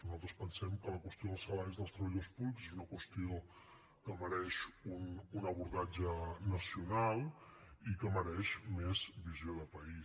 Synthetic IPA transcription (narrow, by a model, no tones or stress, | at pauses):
nuzalˠt̪ɾə̥spənsɛmkələkwəst̪ijoðəlˠsəlaɾizðəlˠst̪ɾəβəʎðospuβlikzezunəkwəst̪io | kəməɾɛʃununəβuɾðad͡ʒənəsijunalˠikəməɾɛʃmezβizjioðəpəi